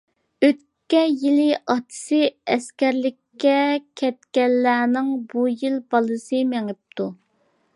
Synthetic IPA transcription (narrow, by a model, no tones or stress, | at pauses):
øt̪ | kʲːɛjilɪʔɑt̪ʰɨ̥sɨɛskʲɛɾlɪkʲːɛkʲʰɛt̪̚kʲɛnːæːnɪŋbujilbɑlˠɨsɨmæŋɪp̚t̪ʰu